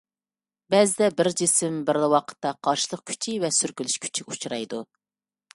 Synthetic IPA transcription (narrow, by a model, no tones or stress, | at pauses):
bɛzɪd̪ɛbɪɾd͡ʒisɪmbɪɾlˠɨwɑqʰə̥t̪ːɑqʰɑɾʃɨlˠəq̚kʲʰy̥t͡ʃʰivɛsyɾkʲylyʃkʲʰy̥t͡ʃʰiɡʲɛut͡ʃʰɾɑjd̪u